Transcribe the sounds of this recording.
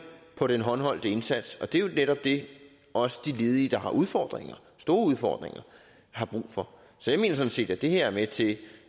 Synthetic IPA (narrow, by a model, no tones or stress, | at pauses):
pʰɒ̽ɾ̥enɦɒ̽nɦɒ̽l̰d̥əe̝nsæd̥sɒ̽d̥e̝jo̝neɾɒ̽b̥̚d̥e̝ | ɒ̽sə̥d̥ile̝ːð̞ˠiːd̥ɑ̈hɑ̈ʔuð̞ˠfɒ̰ːd̥ʁeŋɐ | sd̥o̝ːɐuð̞ˠfɒ̰ːd̥ʁeŋɐ | hɑ̈b̥ʁṵːfɒ̽ | sɒ̽jɑ̈me̝̰ːnɐs̬ɒ̽n̩se̝̰ːd̥æd̥e̝heɐæɐmet͡sʰe̝